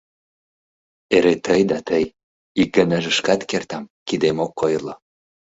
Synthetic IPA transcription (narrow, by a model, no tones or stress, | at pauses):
eɾet̪əjd̪ɑt̪əj | ik̚ɡə̆nəʒəʃkɑt̪kert̪ɑmkid̪emokʰːojlo